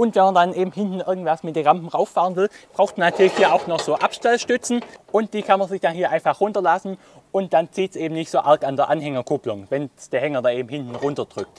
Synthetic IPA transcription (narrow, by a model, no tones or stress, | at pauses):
ʔʊntvɛnmandanʔeːbm̩ɦɪntn̩ʔɪɐɡŋ̩tv̥asmɪt̚deːnʁampm̩ʁaʊfːaːʁənvɪlb̥ʁaʊxtmɐnatʰyːɐlɪçhiːɐʔaʊxnɔχz̥oːʔapʃtɛlʃtʏt͡sn̩ʔʊnt̚d̥iːkʰanmɐnzɪçd̥anhiːɐʔaɪnfaχʁʊntɐlasn̩ | ʊnt̚d̥ant͡siːtsʔeːbm̩nɪçtz̥oːʔaɐkandeːɐʔanɦɛŋɐkʰʊplʊŋvɛnsd̥eːɐhɛŋɐdaːnʔeːbm̩hɪntn̩ʁʊntɐd̥ʁʏk̚t